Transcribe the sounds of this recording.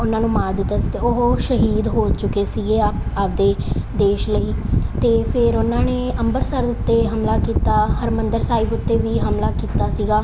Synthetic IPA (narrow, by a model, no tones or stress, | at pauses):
ʊnãːnũːmaːɾd̪ɪt̪ːaːst̪eːoɦoʃəɦiːd̪ɦoːt͡ʃʊkeːsiːɡeːapd̪eːd̪eːʃləiːt̪eːpʰɪɾʊnːãːneːəmbəɾsəɾd̪ʊt̪ːeːɦəmlaːkiːt̪aːhəɾmənd̪əɾsaːɪbʊt̪ːeːʋiːɦəmlaːkiːt̪aːsiːɡaː